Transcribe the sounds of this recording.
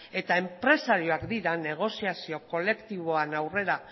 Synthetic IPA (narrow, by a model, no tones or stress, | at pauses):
e̞t̪ae̞mpɾe̞saɾio̞akd̪iɾane̞ɣ̞o̞siasio̞ko̞le̞kt̪iβo̞anawre̞ɾa